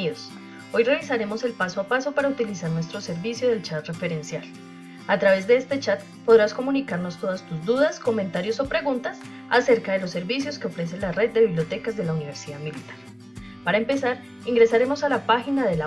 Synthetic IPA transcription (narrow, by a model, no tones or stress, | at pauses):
iðos | o̞jreβisaɾe̞mo̞se̞lpaso̞apaso̞paɾaut̪ilisaɾnwe̞s̬t̪ɾo̞se̞ɾbisjo̞ðe̞lt͡ʃat̪re̞fe̞ɾe̞nsjal | at̪ɾaβe̞zd̪e̞est̪e̞t͡ʃat̪ | po̞ðɾasko̞mũnikaɾno̞st̪o̞ðast̪uzd̪uðasko̞mẽ̞nt̪aɾjo̞so̞pɾe̞ɣunt̪as | ase̞ɾkaðe̞lo̞sːe̞ɾbis̬jo̞ske̞o̞fɾe̞s̬e̞nlare̞d̪̚dːe̞βiβljo̞t̪e̞kazd̪e̞launiβ̞e̞ɾsiðaðmilit̪ḁɾ | paɾae̞mpe̞saɾ | iŋɡɾe̞saɾemo̞salapaxinaðe̞la